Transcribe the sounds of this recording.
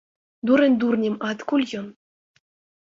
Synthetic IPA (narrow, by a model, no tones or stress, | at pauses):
d̪uɾʲɘ̆nʲd̪urnʲĕmɑt̪kulʲjɤ̆n